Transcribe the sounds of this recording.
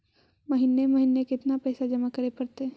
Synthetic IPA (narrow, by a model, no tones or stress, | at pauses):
mɐɦinemɐɦinːekɪt̪napɛːsad͡ʒɐmakɐɾepɐɾt̪e